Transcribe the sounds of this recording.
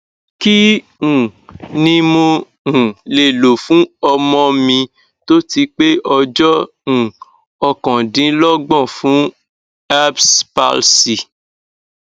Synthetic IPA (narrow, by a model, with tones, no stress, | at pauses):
ki˦ | ũ˨nĩ˧mõ˧ | ũ˨le˨lo˨fũ˨˦ɔ˧mɔ̃˧mĩ˧ | to˦ti˧k͡pe˦ɔ˧d͡ʒɔ˦ | ũ˨ | ɔ˧kɔ̃˨dĩ˨˧˦lɔ˦ɡ͡bɔ̃˦˨fũ˨˦ | a˦bspa̰˧lsi˨